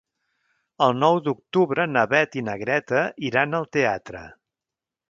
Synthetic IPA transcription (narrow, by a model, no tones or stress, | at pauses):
əlˠnɔwd̪uk̚t̪uβɾənəβɛt̪inəɣɾɛt̪əiɾanəlˠt̪eat̪ɾə̰